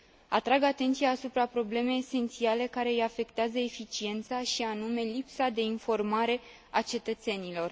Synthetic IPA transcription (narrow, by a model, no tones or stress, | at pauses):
at̪ɾaɡat̪e̞nt̪siaːsupɾapɾo̞ble̞me̞jːse̞nt̪siale̞kaɾe̞jafe̞kt̪eazəefit͡ʃie̞nt̪saʃianume̞lipsad̪e̞info̞rmaɾe̞ | at͡ʃe̞t̪ət̪se̞nilo̞r